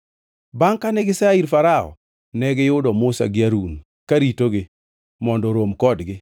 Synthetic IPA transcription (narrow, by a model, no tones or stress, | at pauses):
baŋkanɛɡɪsaiɾfaɾaɔ̰ | nɛɡɪjʊdɔmʊsa̰ɡɪaɾun | kaɾitoɡɪ | mɔndɔɾomkɔdɡɪ